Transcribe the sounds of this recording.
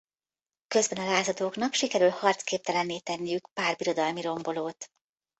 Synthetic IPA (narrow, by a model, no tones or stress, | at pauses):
kø̞zbɛnɒlaːzɒd̪oːknɒkʃikɛɾylhɒrt̪skeːp̚t̪ɛlɛnːeːt̪ɛnːijykpaːrbiɾo̞d̪ɒlmiɾo̞mbo̞loːt̪